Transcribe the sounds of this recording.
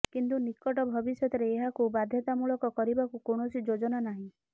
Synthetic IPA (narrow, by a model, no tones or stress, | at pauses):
kint̪unikːɔʈɔbʱɔbisjɔt̪ɔɾeːɦakubad̪ʱjɔt̪amuɭɔkɔkɔɾibakukoɳ̃ɔsid͡ʒod͡ʒɔnanaɦĩ